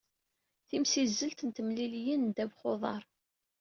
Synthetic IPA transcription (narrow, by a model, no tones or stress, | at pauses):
θimsizːəlt̪ənt̪əmliljənd̪ævχoðˤɑ̰ɾˤ